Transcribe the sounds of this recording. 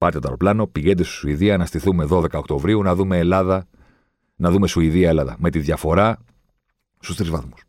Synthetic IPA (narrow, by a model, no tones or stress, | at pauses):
pɐɾt̪et̪ɐ̰loplɐno̞piʝe̞nd̪est̪i̥suiðiɐnɐst̪iθume̞ðo̞ðe̞kɐo̞kt̪o̞vɾiunɐðume̞ːlɐðɐ | nɐðume̞suiðiɐelɐðɐ̰me̞t̪iðjʝɐfo̞ɾɐ | st̪ust̪ɾizvɐðmu̥s